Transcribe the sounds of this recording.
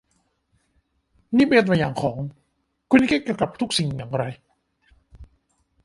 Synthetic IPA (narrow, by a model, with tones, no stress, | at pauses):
niː˦˥˩me˧˩t̪ma˧jaː˨˩ŋkʰɔː˩˦ŋ | kʰu˧nːʔkʰi˥kiː˧˩wka˨˩p̚t̪ʰu˦˥k̚si˨˩ŋjaː˨˩ŋ˧ɾa˧j